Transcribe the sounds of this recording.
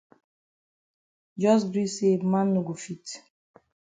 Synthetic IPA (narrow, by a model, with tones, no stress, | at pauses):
d͡ʒɔ˦s̬ɡɾi˦se˦mã˦mnu˨ɡo˨fi˦t